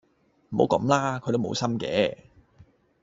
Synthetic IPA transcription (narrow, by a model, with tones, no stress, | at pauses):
m̩˨˩ho̰˨˧˥wkɐ̰˨˥mlaː˥kʰt̪o˥˩mo̰˨˧wsɐ˥mkɛ̰ː˧˥